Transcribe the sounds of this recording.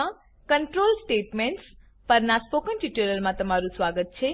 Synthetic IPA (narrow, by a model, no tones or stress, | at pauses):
ã | kəɳʈɾolsʈeʈmeɳʈs | pəɾnaspokəɳʈiʈuɾəlmãt̪əmaɾũsʋaɡət̪̚t͡ʃʰe